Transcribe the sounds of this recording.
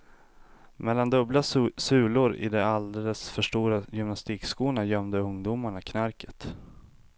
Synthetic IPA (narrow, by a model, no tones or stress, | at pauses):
mɛlːand̪ɵblasʉ̟ːlʊɾɪ̰d̪ɛald̪ɛləsfœʂʈuːɾajʏmnast̪iːkskuːɳajœmd̪əɵŋd̪uːmaɳakʰnaɾkə̥t̪